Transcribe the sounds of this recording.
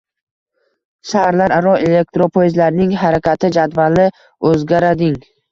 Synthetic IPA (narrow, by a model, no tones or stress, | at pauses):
ʃahaɾlaɾaɾɒele̞k̚t̪ɾopʰojzlaɾnɪŋɦaɾakʲʰat̪ʰɪd͡ʒad̪valɪ | ɵzɡʲaɾad̪ɪŋ